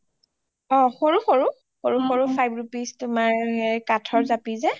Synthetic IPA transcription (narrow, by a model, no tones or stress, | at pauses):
ɔ̃xoɹuxoɹu | xoɹuxoɹupʰajbɹupistʊmaɹɛkatʰɔɹzapizɛ